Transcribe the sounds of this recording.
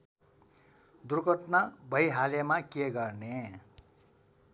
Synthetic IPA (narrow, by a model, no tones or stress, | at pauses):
d̪urɡʱʌʈnabʱʌjɦalemakjeɡʌrne